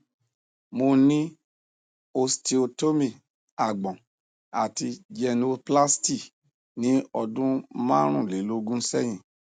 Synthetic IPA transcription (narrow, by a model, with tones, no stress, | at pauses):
mo˧nĩ˦ | o˧sti˧o˧to˦mĩ˦˨ | a˨ɡ͡bɔ̃˨ | a˨ti˧d͡ʒɛ˧no˧pla˦sti˦˨ | nĩ˨˦ɔ˧dũ˦mãː˦ɾ̃ũ˦˨le˨˦lo˦ɡũ˦sɛ˦˨j̃ĩ˨